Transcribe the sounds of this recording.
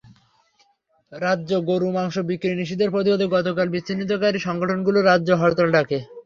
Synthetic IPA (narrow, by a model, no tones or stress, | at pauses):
ɾadːʑoɡoɾumaŋʃobikːɾiniʃid̪eɾpɾot̪ibod̪eɡɔt̪okalbit͡ɕːɕʰinit̪̬okaɾiʃɔŋɡoʈʰonɡuloɾadːd͡ʑoɦɔɾt̪alɖakʰe